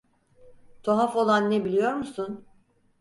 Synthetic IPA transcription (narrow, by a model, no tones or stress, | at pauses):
t̪ʰoɦafo̞lˠanːebilʲijo̞ɾmusun